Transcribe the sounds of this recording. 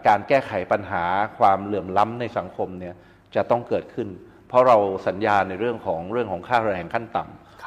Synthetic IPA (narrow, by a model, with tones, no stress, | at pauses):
kaː˧nkɛː˥˩kʰa˩˦jpa˧nɦaː˩˦kʰwaː˧mlɯ˨˩əmla˦˥mna˧jsa˩˦ŋkʰo˧mni˦˥˩ɐ | t͡ɕa˨˩t̪ɔ˥˩ŋkɤː˨˩t̪̚kʰɯ˥˩n | pʰɾɔ˦˥ɾa˧wsa˩˦njaː˧na˧jɾɯ˥˩əŋkʰɔː˩˦ŋɾɯ˥˩əŋkʰɔː˩˦ŋkʰaː˥˩ɾɛː˧ŋkʰa˥˩nt̪a˨˩m